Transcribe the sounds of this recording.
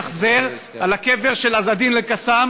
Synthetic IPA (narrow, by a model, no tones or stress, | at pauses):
χzeʁ | alakeve̞ʁʃe̞lazad̪imlekasam